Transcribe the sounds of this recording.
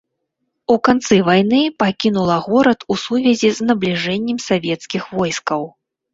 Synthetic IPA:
ukant̪sɨvajnɨpakʲinulˠɐɣɔɾɐt̪usuvʲɛzʲiznɐblʲiʐɛnʲːɛmsavʲɛt̪skʲixvɔjskɐw

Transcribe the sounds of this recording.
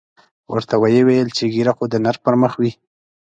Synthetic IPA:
wə̰ɾt̪awajəwejəlt͡ʃeɡiɾaxod̪ənaɾpəɾməxwi

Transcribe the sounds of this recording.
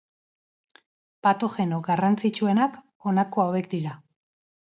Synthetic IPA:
pat̪o̞xe̞no̞ɡarant͡sit͡ʃue̞nak | o̞nako̞awe̞k̚d̪iɾa

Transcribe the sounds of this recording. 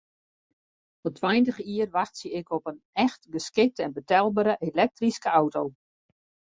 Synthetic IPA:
ɔtʰwajntəxiərʋaxtsəɪkɔpən | ɛxtɡəskɪk̚təɛnbətɛlˠbəɾəʔelɛk̚triskəawtow

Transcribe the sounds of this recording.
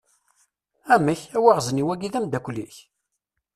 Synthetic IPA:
æməçæwaʁzəniwæɡiðæmd̪ækʷlːḭç

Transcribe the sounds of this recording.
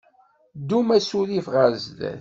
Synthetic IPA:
d̪umæsuðifʁəɾzðæ̰θ

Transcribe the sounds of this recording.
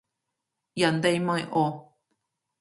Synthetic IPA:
jand̪ejmãẽʔo

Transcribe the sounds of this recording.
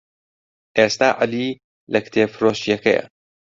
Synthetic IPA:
ʔeːst̪aːʔaliː | lɐkt̪ʰeːfɾoːʃijɐkɐjɐ̰

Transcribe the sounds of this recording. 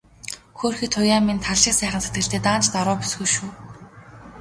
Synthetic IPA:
xoːrxiːt̪ʰːʊjaːmint̪ʰaɮĭːksæːχə̆nset̪ɡɘ̆ɮt̪eːt̪aːnt͡ɕt̪aɾʊːpu̥sɡuʃuː

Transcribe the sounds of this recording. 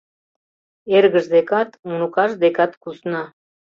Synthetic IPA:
eɾɡəʒd̪ekat̪unukɑʒd̪ekat̪kusnɑ

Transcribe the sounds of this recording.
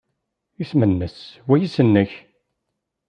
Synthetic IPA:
iθmənːəswæjisənːəç

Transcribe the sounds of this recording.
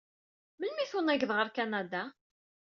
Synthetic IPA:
məlmiθunæʝðʁəɾkanad̪a

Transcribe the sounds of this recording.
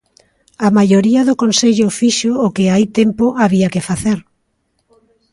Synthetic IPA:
amajoɾiɐðʊkonseʎʊfiʃoːkɪait̪empʊʔaβiakɪfaθeɾ

